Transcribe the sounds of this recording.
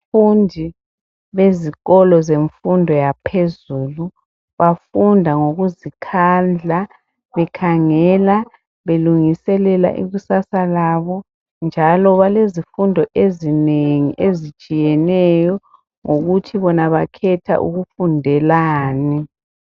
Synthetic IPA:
fundʱi | βeziɣɔlɔzeɱfundʱɔjapʰezuːlu | βafundʱaŋoɣuzikʰand͡ɮʱa | βɛkʰaŋɛla | βeluŋisɛlɛla̰ʔḭɣusasalaβɔ | nd͡ʒʱalɔβalezifundʱɔʔezineŋḭʔezi̥t͡ʃʼijɛnɛjɔ | ŋoɣutʰiβɔnaβakʰɛtʰa̰ʔṵɣufundʱɛlaːnɛ

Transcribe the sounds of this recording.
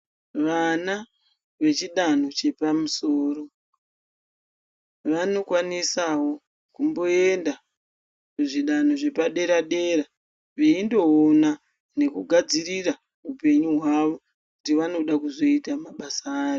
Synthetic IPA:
ʋana | ʋe̞t͡ʃiɗano̞t͡ʃe̞pamuso̞ːro̞ | ʋano̞kwanisawo̞ | kumbo̞e̞nda | muʐiɗano̞ʐe̞paɗe̞ɾaɗe̞ra | ʋiːndo̞ona | ne̞kuɡʱad͡zirira | upe̞ɲuɦwaʋo̞ | kutiʋano̞ɗakuzo̞itamaɓasaːjo

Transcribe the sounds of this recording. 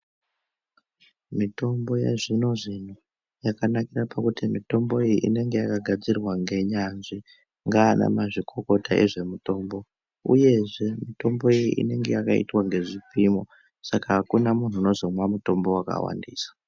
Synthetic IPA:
mito̞mbo̞jḛʐino̞ʐin̤u | jakanakirapakutimito̞mbo̞ijiʔḭne̞ŋɡe̞jakaɡʱad͡zirwaŋɡe̞ɲanʐi | ŋɡaːna̰maʐikʰo̞ko̞taʔe̞̰ʐe̞muto̞ːmbo̞ | ṵje̞ʐe̞mito̞mbo̞ijḭʔḭne̞ŋɡe̞jakaḭtwaŋɡe̞ʐipimo | sakaɦakunamun̤uːno̞zo̞mwamuto̞mbo̞waka̰wa̰ndiːsḁ

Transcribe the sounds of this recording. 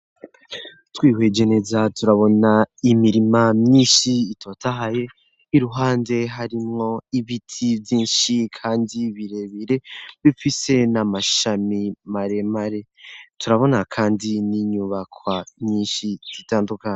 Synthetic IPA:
twiːwe̞d͡ʒe̞ne̞zatuɾaβo̞naimiɾimamɲiːnʃiitʰotaɦaje̞ | iɾuɦaːnde̞ɦaɾimŋo̞iβitʰivjiːnʃikʰaːndiβiɾe̞βiɾe̞βifise̞namaʃamimaɾe̞maɾe̞tuɾaβo̞nakʰaːndiniɲuβakwamɲiːnʃiz̥itaːndukaɲ

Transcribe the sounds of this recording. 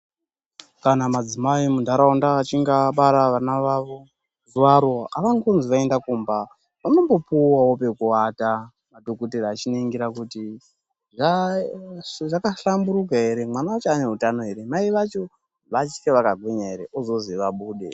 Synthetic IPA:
kanamad͡zimaimundʱaɾaondaːt͡ʃiŋɡaɓaɾaʋanaʋao | zuwaɾoa̰ʋaŋɡonziʋae̞ndakuːmba | ʋano̞mbo̞puwaope̞kuwata | madokuteraːt͡ʃiniŋɡiɾakuti | ʐa | ʐakaɬambuɾukaɦe̞ɾe̞manaot͡ʃane̞ɦutano̞ɦe̞ɾe̞maiʋat͡ʃo̞ | ʋat͡ʃikeʋakaɡʱweɲaeɾe̞ʔozo̞ziʋaɓuːɗe̞̰

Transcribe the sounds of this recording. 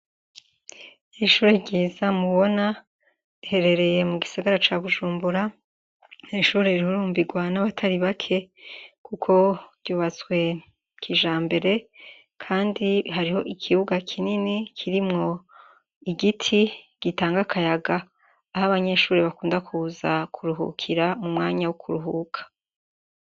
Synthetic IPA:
ʃuːɾeɟiːzamuβo̞na | ɾihe̞ɾe̞ɾe̞je̞muɡisaɡaɾat͡ʃaβuʒuːmbuɾa | neʃuːɾeɾihuɾuːmbiɡwanaβatʰaɾiβakʰe̞kukʰo̞ɾ̥ɟ̥uːβat͡swe̞ | kʰiʒaːmbe̞ɾe̞ | kʰaːndiɦaɾiho̞ʔikʰiβuɡakʰininikʰiɾimŋo̞ | iɡitʰi | ɡ̥itaːŋɡakʰajaɡaː | haβaɲe̞ʃuːɾeβakuːndakʰuzakʰuɾuɦṵkʰiɾamumŋaːɲawukʰuɾuɦukʰḁ

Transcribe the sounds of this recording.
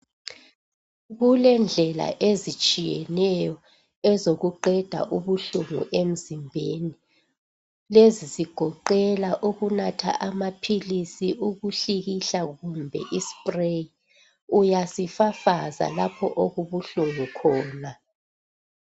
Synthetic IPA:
ɣulɛnd͡ɮʱɛla̰ʔezit͡ʃʼijɛnɛjɔ | ɛzoɣuǃɛd̥ʱa̰ʔuβuɬuŋṵʔem̩zimbʱeni | leziziɡ̥ʱɔǃɛlaʔuɣunatʰa̰ʔamapʰilisiʔuɣuɬiɣiɬaɣumbʱɛ̰ʔispʼrei | ujasifafaza̰lapʰɔ̰ʔoɣuβuɬuŋukʰɔːna

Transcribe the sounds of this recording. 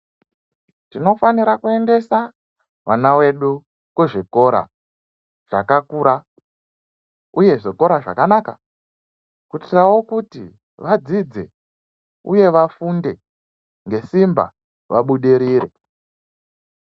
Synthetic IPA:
tino̞faniɾakue̞nde̞sa | ʋʔanawe̞ɗu | kweʐiko̞ɾa̰ | ʐ̥akakuɾa | uje̞ʐiko̞ɾaʐa̰kanaka̰ | kutirawo̞kutḭ | ʋad͡zid͡ze̞̰ | uje̞ʋafunde̞ | ŋɡe̞simba̰ | ʋaɓuɗiɾiːɾe

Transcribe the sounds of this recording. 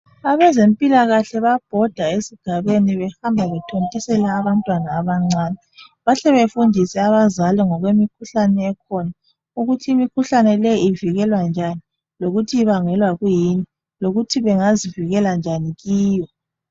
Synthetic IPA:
aβɛzempʼilaɣaɬɛβab̥ʱɔd̥ʱaesiɡ̥ʱaβeniβɛhambʱaβɛtʰontʼisɛlaːβantʼwanaːβaŋ͡ǀaːni | βaɬɛβefundʱisɛaβazalɛŋɔɣwemikʰuɬanɛːkʰɔna | uɣutʰiːmikʰuɬanɛlɛjiiviɣɛlwand͡ʒʱani | loɣutʰiiβaŋɛlwaɣujini | loɣutʰiβɛŋaziviɣɛland͡ʒʱaniɣiːjɔ

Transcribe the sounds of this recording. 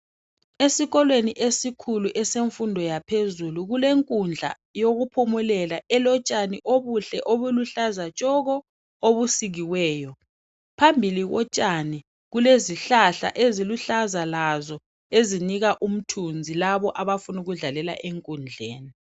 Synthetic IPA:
esiɣɔlweniʔesikʰuluʔɛseɱfundʱɔjapʰezuluɣuleŋkʼund͡ɮʱa̰ | joɣupʰumulɛlaʔɛlɔt͡ʃʼaniʔoβuɬɛʔoβuluɬazat͡ʃʼɔɣɔ | oβusiɣiwɛːjɔ | pʰambʱiliɣɔt͡ʃʼani | ɣuleziɬaɬa̰ʔeziluɬazalazɔ | eziniɣaʔum̩tʰund͡zʱilaβɔʔaβafunuɣuɮalɛla̰ʔeŋkʼund͡ɮʱeːni

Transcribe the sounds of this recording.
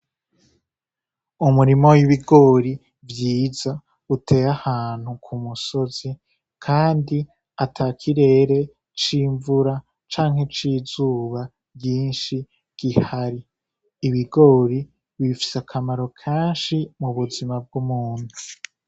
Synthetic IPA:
umuɾimo̞wiβiɡo̞ːɾi | vjiːza | utʰe̞ɾahaːn̥hukʰumuso̞zi | kʰaːndi | atʰakʰiɾe̞ːɾe̞ | t͡ʃiːɱvuɾa | t͡ʃaːŋ̥he̞t͡ʃiːzuːβa | bjɟiːnʃi | ɡ̥ihhaɾiː | βiɡo̞ːɾi | wifi̥sakʰamaɾo̞kʰeːnʃimuβuzimab̚ɡumuːn̥hu

